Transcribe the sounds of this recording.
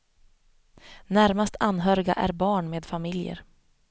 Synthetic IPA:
næɾmast̪ʰanːɦœːɾɪɡa̰ʔæ̰ɾbɑːɳmeːd̪famɪljə̰ɾ

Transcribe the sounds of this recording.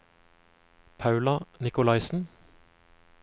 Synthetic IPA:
pʰɑʉlɑnɪkʊlɑɪsn̩

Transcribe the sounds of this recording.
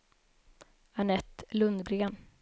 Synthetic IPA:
aɳɛt̪ːlɵnd̪ɡɾeːn

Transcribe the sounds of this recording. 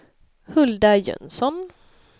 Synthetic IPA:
hɵld̪ajœ̰nsɔn

